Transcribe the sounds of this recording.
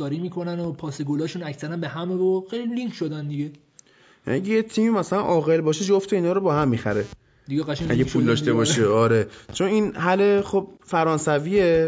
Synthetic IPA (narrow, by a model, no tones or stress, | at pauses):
ɒːɾiːmiːkʰonænopʰɒːseɡolɒːʃunæcʰsæɾænbeɦæmevoxejliliŋkʃod̪ænd̪iɟe | ʔæ̰ɟejet̪ʰiːmimæsælænʔɒːɣe̞lbɒːʃed͡ʒoft̪ʰeiːnɒːɾobɒːhæmːixæɾe | d̪iɡeɣæʃææ̰ɟepʰuld̪ɒːʃt̪e̞bɒːʃeɒːɾet͡ʃʰo̞ninɦæleχob̚fæɾɒːnsævie